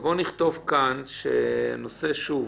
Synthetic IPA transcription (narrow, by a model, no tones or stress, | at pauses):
bo̞niχt̪o̞vkanʃḛnose̞ʃuv